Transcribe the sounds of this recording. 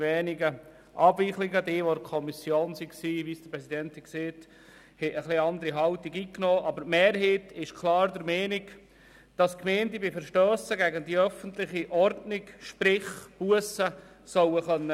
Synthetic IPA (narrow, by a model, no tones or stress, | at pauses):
ʋɛːniɡə | ʔɑbʋiχlɪɡədeːʋoəkʰɔmisjoːnsiksiːʋiːsd̥əɾpɾɛsidɛnthɛkseːt | hɛəχliɑnd̪əɾiɦɑltiɡiːknɔːʔɑbəɾmeːɾɦiːtɪʃkʰlɑːɾd̪əɾmɛːniɡ | d̥ɑskmeːntibɪfəɾʃtøːsəɡæɡəndiœfəntlɪχiʔɔrdnɪɡʃpɾɪχb̥uəsə | sœwəχœnːə